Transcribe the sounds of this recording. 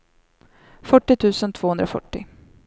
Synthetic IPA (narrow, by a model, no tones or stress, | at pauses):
fœʈːɪt̪ʰʉ̟ːsənt̪ʰv̥oːhɵnd̪ɾafœ̰ʈːɪ̰